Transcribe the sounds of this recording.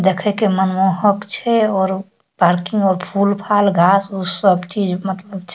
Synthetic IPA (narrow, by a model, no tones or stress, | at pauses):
d̪ekʰɛkemənmoɦəkt͡ʃʰɛɔːɾ | paɾkĩŋɡɔːɾpʰulpʰalɡʱasusəbt͡ʃid͡ʒmət̪ləb̚t͡ʃʰɛ̥